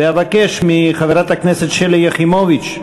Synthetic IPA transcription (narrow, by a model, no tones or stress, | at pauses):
eavakeʃmiχaveɾat̪hakneset̪ʃeljaχimovit͡ʃ